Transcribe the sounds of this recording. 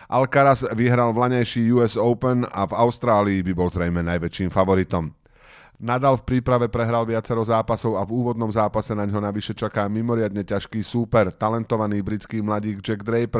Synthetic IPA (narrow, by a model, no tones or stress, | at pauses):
ʔalkaɾazʋiɦɾalʋlaɲajʃiːjuɛzɔʊpɛnavaʊst̪ɾaːliːbibɔlzɾɛjmɛnajʋɛt͡ʃiːmfaʋɔɾit̪ɔm | nad̪aːlfpɾiːpɾaʋɛpɾɛɦɾalʋɪat͡sɛɾɔzaːpasɔʊavuːʋɔd̪nɔmzaːpasɛnaɲɦɔnaʋiʃɛt͡ʃakaːmimɔɾɪad̪ɲɛcaʃkiːsuːpɛɾt̪alɛnt̪ɔʋaniːbɾit͡skiːmlaɟiːɡd͡ʒɛɡd̪ɾɛjpɾ